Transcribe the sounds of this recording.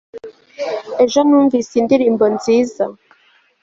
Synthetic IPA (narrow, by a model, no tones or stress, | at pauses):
e̞ʒonuːɱvisindiɾiːmbonziːza